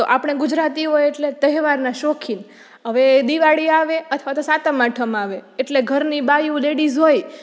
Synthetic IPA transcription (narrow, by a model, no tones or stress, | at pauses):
t̪oʔapɳ̃eɡʊd͡ʒɾat̪iɦojeʈlet̪əɦʋaɾnaʃokʰin | ɦəʋed̪iʋaɽiaʋeət̪ʰʋat̪osat̪amaʈʰəmaʋeːʈleɡʱəɾnibajũleɽizɦoj